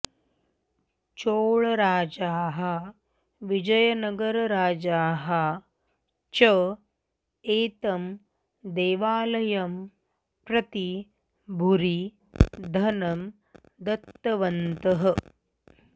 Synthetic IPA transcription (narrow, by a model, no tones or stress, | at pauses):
t͡ʃoːɭɐɾaːd͡ʒaːɦɐ | ʋid͡ʒɐjɐnɐɡɐɾɐɾaːd͡ʒaːɦɐ | t͡ʃɐ | eːt̪ɐm | d̪eːʋaːlɐjɐm | pɾɐt̪i | bʱuɾi | d̪ʱɐnɐm | d̪ɐt̪ːɐʋɐnt̪ɐɦɐ̆